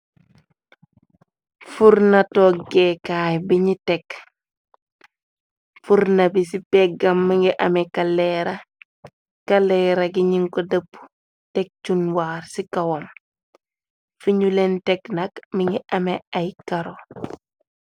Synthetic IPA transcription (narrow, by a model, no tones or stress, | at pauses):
fuɾnatoɡekaːjbiɲitek | fuɾnabisipeɡɐmːiŋɡiʔɐ̰mekaleɾa | kaleɾaɡiɲiŋkodɐpːu̥ | tek̚t͡ʃunwaːɾsikawom | fiɲulenteknakmiŋɡiʔɐmeajkaɾo